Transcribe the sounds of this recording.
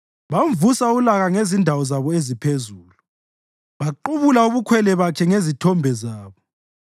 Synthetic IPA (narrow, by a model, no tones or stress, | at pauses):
βamvusaulaɣaŋezindʱawɔzaβɔezipʰezuːlu | βaǃuβulauβukʰwɛlɛβakʰɛŋezitʰɔmbʱɛzaːβɔ